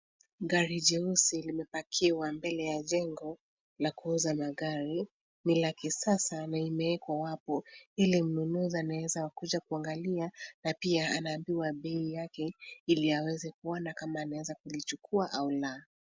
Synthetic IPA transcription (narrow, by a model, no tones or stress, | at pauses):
ɡaɾid͡ʒɛusilimɛpakʰiwambɛlɛjaʄɛŋɡɔ | lakuuzamaɡaɾi | nilakɛsasanaimɛɛkwawapɔilim̩nunuzianawɛzawakuʄakuaŋɡalianapiaanaːmbiwaɓɛijakɛiliawɛzɛkuɔnakamaːnawɛzakulit͡ʃukuaʔaula